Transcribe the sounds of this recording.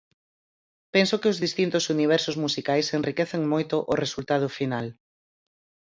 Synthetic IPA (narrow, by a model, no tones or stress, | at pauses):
pensʊkɪʊzðist̪int̪ʊsuniβ̞ɛɾsʊzmusikajsenrikɛθeŋmojt̪ʊʔʊresult̪að̞ʊfinal